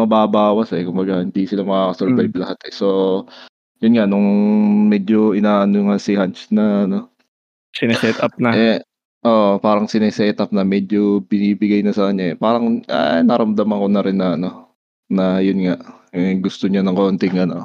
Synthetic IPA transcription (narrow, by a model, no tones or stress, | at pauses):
mɐbaːbaːwɐsɛkʊmbɐɡahɪnd̪isɪlamɐkakɐsɛɹvajblɐhat̪ɛso̞ | jʊnŋaʔnʊŋmɛd͡ʒoʔɪnaːʔɐnoŋasɪhant͡ʃnɐɐno̞ | sɪnɛsɛt̪ɐp̚nɐɛ | ʔoʔpaːɾɐŋsɪnɛsɛt̪ʔɐp̚nɐmɛd͡ʒobɪniːbɪɡajnɐsɐkɐɲaɛpaːɾɐŋʔɐ̰nɐɾɐmd̪amɐŋkonɐɾɪnːɐɐno̞ | nɐjʊnŋaʔɛɡʊst̪oɲanɐŋkoʔnt̪ɪŋɐno̞